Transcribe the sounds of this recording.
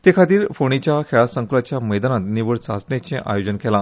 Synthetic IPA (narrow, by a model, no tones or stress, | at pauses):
t̪ekʰat̪iːɾfoɽ̃it͡ɕjakʰeɭasə̃ŋklat͡ɕjaməjd̪anat̪niʋəɽt͡sat͡sɳet͡ɕẽʔa̰jod͡ʑənkela